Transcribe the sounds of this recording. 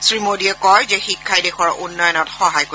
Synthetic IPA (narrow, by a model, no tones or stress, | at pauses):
sɹimodiɛkɔɹzɛxikʰːajdexɔɹunːɔjɔnɔtxɔɦajko